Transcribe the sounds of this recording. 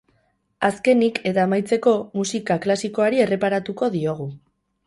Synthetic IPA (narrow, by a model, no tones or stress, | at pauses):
aske̞nikʰe̞t̪aːmajt͡se̞ko̞musikaklasiko̞aɾie̞re̞paɾat̪uko̞ðio̞ɣ̞u